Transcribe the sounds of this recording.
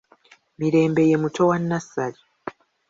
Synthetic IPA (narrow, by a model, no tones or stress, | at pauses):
miɾe̞ːmbe̞jemutowanːasali